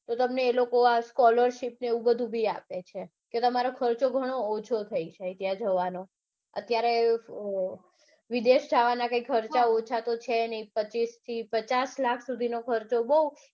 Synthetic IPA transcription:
t̪ot̪əmneːlokoaskɔləɾʃipneeʋũbəd̪ʱũbʱiapet͡ʃʰe | ket̪əmaɾokʰəɾt͡ʃoɡʱəɽ̃oːt͡ʃʰot̪ʰəit͡ʃʰəit̪jãd͡ʒəʋano | ə̰t̪jaɾe | ʋid̪eʃd͡ʒaʋanakaikʰəɾt͡ʃaot͡ʃʰat̪ot͡ʃʰenəipət͡ʃist̪ʰipət͡ʃaslakʰsud̪ʱinokʰəɾt͡ʃobəu

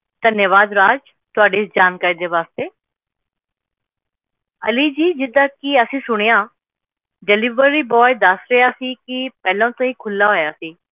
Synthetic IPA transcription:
d̪̥ənjəʋaːd̪ɾaːd͡ʒ | t̪ʊaːɖeːsd͡ʒaːnkaːɾiːd̪eːʋaːst̪eː | əlid͡ʒiːd͡ʒɪd̪ãːkiəsĩːsʊɽ̃ejãː | ɖeliːʋəɾiːbɔːjd̪əsɾejaːsiːkipɛːlãːt̪ãːĩːkʰʊlːaɦoːjaːsiː

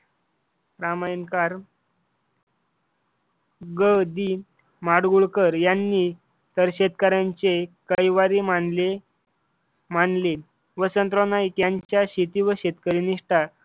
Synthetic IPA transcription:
ɾamajnkaɾ | ɡəd̪i | maɽɡuɭkəɾjanːi | t̪əɾɕed̪kaɾjaɲt͡sekəjʋaɾimaɳle | maɳle | ʋəsənt̪ɾonajk̪jaɲt͡ɕjaɕit̪iʋəɕet̪kəɾiniʂʈa

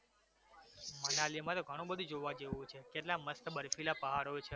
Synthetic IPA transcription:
mənalimãt̪oɡʱəɽ̃ũbəd̪ʱũd͡ʒoʋad͡ʒeʋũt͡ʃʰekeʈlaməst̪bəɾfʰilapəɦaɽɦojt͡ʃʰe

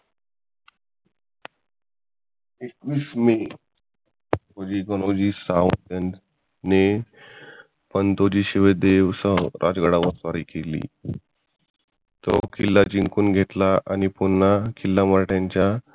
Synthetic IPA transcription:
ekʋiːsme | kod͡ʑiːkɔlod͡ʑiːsawt̪ja | ne | pənt̪od͡ʑiːɕiʋed̪eʋsəɾʔa̰d͡zɡəɽaʋəsʋaɾiːkelḭː | t̪o̰kilːad͡ʑiŋkuːnɡʱet̪laʔañipunːakʰilːamaɾʈjaɲt͡ɕja

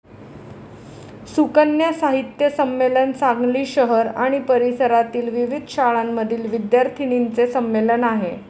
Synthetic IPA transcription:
sukənjasaɦit̪jəsəmːelənt͡saŋɡliːɕəɦəɾaɽ̃ipəɾisəɾat̪iːlʋiʋid̪ʱɕaɭamːəd̪ʱiːlʋid̪jaɾt̪ʰinint͡sesəmːelənaɦe

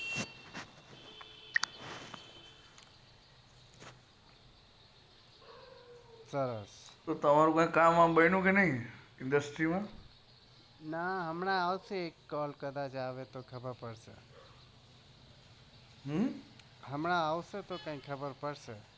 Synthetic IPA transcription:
səɾəst̪ot̪əmaɾũkãĩkamːãbəinũkenəɦĩ | ɪnɖəsʈɾimã | naɦəmɳaaʋseːkːɔlkəd̪at͡ʃaʋet̪okʰəbəɾpəɽʃḛ | ɦ | ɦəmɳ̃aaʋʃet̪okãĩkʰəbəɾpəɽʃe

